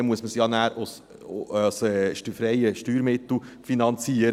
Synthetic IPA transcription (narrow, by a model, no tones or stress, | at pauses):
emuəsməsjɑnæːɾs | sʃtyfɾɛɪəʃtyːɾmɪt̪l̩ˠfinɑnt͡siːəɾ